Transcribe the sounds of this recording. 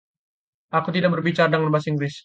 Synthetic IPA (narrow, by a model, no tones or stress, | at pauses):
ʔakut̪idak̚bərbit͡ʃaɾadəŋanmasiŋɡɾɪs